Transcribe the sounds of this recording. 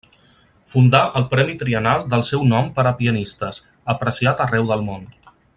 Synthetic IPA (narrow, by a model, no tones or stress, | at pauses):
fund̪aʔəlˠpɾɛmit̪ɾiənalˠd̪əlˠsɛwnɔmpəɾəpiənist̪əs | əpɾəsiat̪ərɛwðəlˠmon